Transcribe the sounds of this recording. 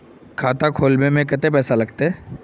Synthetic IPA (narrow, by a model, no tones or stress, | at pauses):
kʰaːt̪akʰoːlmẽmẽkɐt̪epɛːsalɐɡt̪aɦɛː